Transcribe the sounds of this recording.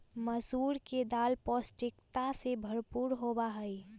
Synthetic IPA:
məsuːɾked̪aːlpɔsʈɪkt̪asebʱəɾpuɾɦobaɦəi

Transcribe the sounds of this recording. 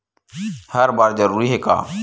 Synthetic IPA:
həɾbaːɾd͡ʒəɾuːɾiːɦeːka̰ː

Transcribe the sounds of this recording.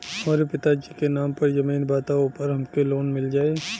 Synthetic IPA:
hɐmaːɾepɪt̪ad͡ʒikenaːmpɐɾjɐmiːnbaːt̪aopɐɾɦɐmkeloːnmɪld͡ʒaːeː

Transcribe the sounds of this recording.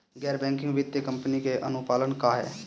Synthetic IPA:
ɡɛːɾbɛ̃ːŋkɪ̃ŋɡʋɪt̪ːekəmpnikeʔənʊpaːlənkaːɦɛ̰ː

